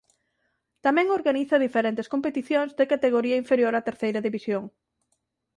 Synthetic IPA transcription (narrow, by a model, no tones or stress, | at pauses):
t̪amɛ̃ŋoɾɣaniθɐðifeɾent̪eskompet̪iθjõŋzðekat̪eɣ̞oɾiɐiɱfeɾjoɾat̪eɾθejɾɐðiβisjoŋ